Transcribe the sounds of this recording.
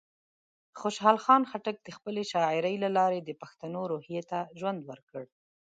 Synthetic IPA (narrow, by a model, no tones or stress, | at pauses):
xoʃɦɑlxɑnxaʈak̚d̪əxpəleʃɑɪɾəjlalɑɾed̪əpaxt̪anoɾohjet̪aʒwand̪wəɾkəɽ